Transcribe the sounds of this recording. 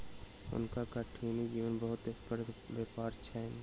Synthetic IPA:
ʊ̰nkakaʈʰiːnid͡ʒiːʋənbəɦʊt̪ekpəɾbeːpaːɾt͡ʃʰɛn

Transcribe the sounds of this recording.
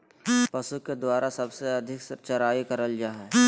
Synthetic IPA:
pɐsuked̪waːɾasɐbseɐd̪ʱɪkt͡ʃɐɾaːikɐɾəld͡ʒaːɦɛː

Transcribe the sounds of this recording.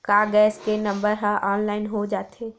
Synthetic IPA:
kaːɡɛːskenɐ̃mbəɾɦaʔɔːnlaːɪnɦod͡ʒaːt̪ɦeː

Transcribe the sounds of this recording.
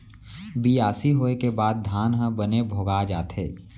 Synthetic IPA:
biaːsiɦoːekebaːd̪̚d̪ʱaːnɦə̃bənebʱoːɡad͡ʒaːt̪ɦḛː

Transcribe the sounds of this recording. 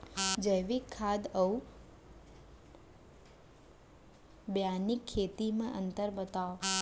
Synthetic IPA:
d͡ʒəjʋikʰːad̪əu | bjanikʰːet̪imãʔənt̪əɾbət̪aʋ

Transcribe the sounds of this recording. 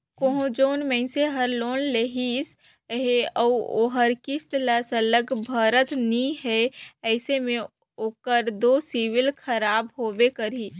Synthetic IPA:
koɦũd͡ʒoːnmɛ̃ɪ̃seɦəɾloːnleɦis | ɦeɔo̰ɦəɾkɪst̪ləːsələɡbʱəːɾət̪nĩɦɛɛːsemẽ | oːkəɾd̪oːsiwɪlkʰəɾaːbɦoːbekəɾi

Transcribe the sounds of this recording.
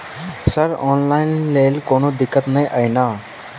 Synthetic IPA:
səɾɔ̰ːnlaːɪnleːlkoːnod̪ɪkːət̪nəjʔajnaː

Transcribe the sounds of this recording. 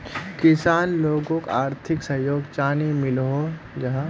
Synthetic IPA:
kɪsaːnloːɡõkaːɾt̪ʰɪksɐ̃joːɡt͡ʃaːnimɪlɦo | d͡ʒɐɦã

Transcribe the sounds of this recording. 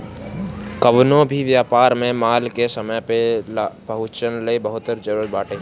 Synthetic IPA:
kəʋnõbʱiʋjaːpaːɾmẽmaːlkesəməjpelpəɦʊt͡ʃənləibəɦʊt̪ːəɾd͡ʒəɾuːɾət̪̚baːʈẽ

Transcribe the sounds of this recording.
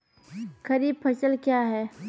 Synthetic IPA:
kɐɾiːb̚pʰɐt͡ʃəlkjaːɦɛː

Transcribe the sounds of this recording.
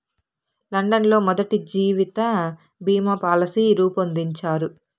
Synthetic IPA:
lɐɳɖɐnlo̞ːmɔd̪ɐʈid͡ʒiːʋit̪ɐ | bʱiːmɐpaːlɐsiɾuːpond̪iɲt͡ʃaːɾu

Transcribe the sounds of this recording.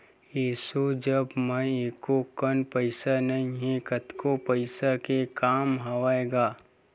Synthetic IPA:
jiːsud͡ʒəbmə̃eːkokənpəɪsanɐĩɦẽkət̪kopəɪsakekaːmɦaʋaːeɡaː

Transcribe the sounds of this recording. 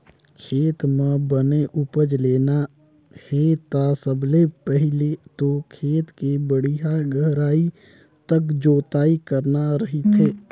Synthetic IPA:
kʰeːt̪mẽbəneʔʊpəd͡ʒleːna | hɛt̪asəblepəɦlet̪okʰeːt̪kebəɽiɦaɡəɦɾaːi | t̪əkd͡ʒoːt̪aːikəɾnaɾɐɦit̪ɦeː

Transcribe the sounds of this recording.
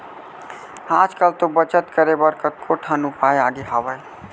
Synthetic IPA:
ãd͡ʒkəlt̪obət͡ʃət̪kəɾebəɾkət̪̚kʰoʈʰənupajaɡeɦəbəj

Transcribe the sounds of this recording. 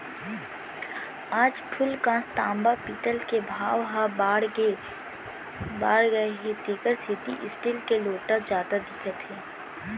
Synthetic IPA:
aːd͡ʒpʰʊlkãːst̪ãːmbapit̪əlkebʱaːʋɦaaːɽɡ | baːɽɡəeɦet̪eːkəɾset̪ḭʔɪsʈilkeloːʈad͡ʒjaːd̪ad̪ɪkʰət̪ɦɛː

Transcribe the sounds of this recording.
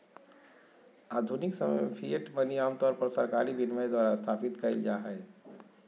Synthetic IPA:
ad̪ʱuniksəməmpʰieʈbəniamt̪ɔɾpəɾsəɾkaɾibinməjd̪waɾast̪ʰapit̪kəɪld͡ʒaɦɛɪ

